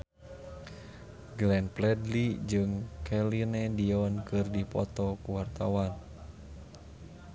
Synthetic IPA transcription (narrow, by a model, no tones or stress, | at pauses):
ɡlɛnplɛdlid͡ʒɨŋkʰɛlinɛdiɔnkɨrdipɔt̪ɔkuwart̪awan